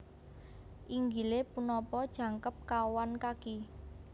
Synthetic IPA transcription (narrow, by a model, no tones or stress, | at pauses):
ʔiŋɡilepunɔpɔd̥ʒ̥ä̤ŋkəp̚kawankaki